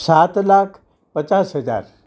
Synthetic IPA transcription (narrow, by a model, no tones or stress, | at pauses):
sat̪lakʰ | pət͡ʃasɦəd͡za̰ɾ